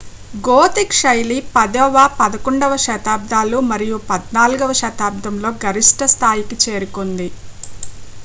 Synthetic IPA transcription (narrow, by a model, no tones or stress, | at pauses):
ɡoːt̪ikʂɐjlipɐd̪ɐʋaːpɐd̪ɐkoɳɖɐʋɐʃɐt̪aːb̚d̪ʱaːlumɐɾijupɐd̪naːluɡɐʋɐʃɐt̪aːb̚d̪ɐmlo̞ːɡɐɾiʂʈɐst̪ʰaːjikit͡ʃe̞ːɾukond̪i